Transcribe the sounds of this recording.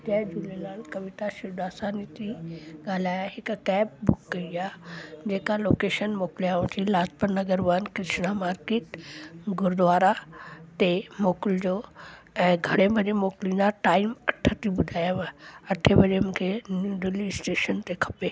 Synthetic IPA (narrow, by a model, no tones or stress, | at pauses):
t̪ɛːd͡ʒʊlelaːlkɐʋɪt̪aʃɪd̪aːsaːnit̪ʰiɠaːl̤aːjaɦɪkkɛːp̚bʊkːɐiaːd͡ʑeːkaloːkeːʃənmoːkljaũt̪ʰilaːspəɾnɐɡəɾʋankɪɾɪʃnamaːɾkeːʈɡʊɾd̪ʋaːɾat̪emoːkɪld͡ʑoː | ɛ̃ːɡʱɐɽ̃ebɐɾemoːklĩnd̪aʈaːɪmɐʈʰət̪ibʊd̪ʱaːjaʋãɐʈʰebɐɾemũːkʰenuːd̪ɪlisʈeːʃənt̪ekʰɐ̥peː